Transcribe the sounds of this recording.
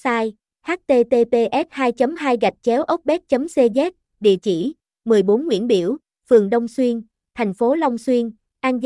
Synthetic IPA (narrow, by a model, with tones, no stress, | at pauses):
saː˧j | haː˦˥t̚t̪e˧t̪e˧t̪e˧ʔɛ˦˥t̚haː˧jt͡ɕə˨˦mɦaː˧jɣa˨˩k̟̚t͡ɕɛ˨˦wʔə˦˥k͡p̚ɓɛ˦˥t̚t͡ɕə˨˦mse˧zɛ˦˥t̚ | ɗḭ˧˨ət͡ɕḭ˧˩ | mɨ˨˩əjɓo˨˦nŋwḭ˧˥ənɓḭ˧˩əw | fɨ˨˩əŋɗə˧wŋ͡mswi˧ən | t̪ʰa˨˩jŋ̟fo˨˦la˧wŋ͡mswi˧ən | ʔaː˧nz